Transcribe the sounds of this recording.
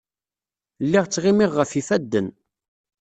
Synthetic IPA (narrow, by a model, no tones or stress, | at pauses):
lːiʁt͡sːʁɪmɪʁːəfifæd̪ːən